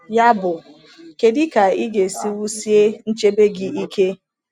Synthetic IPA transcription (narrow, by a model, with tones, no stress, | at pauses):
ja˦bʊ˨ | ke˨dɪ˦ka˨i˦ɡe˨si˦wu˦si˦e˦n̩˦t͡ʃe˦be˦ɡɪ˦i˦kʰe˦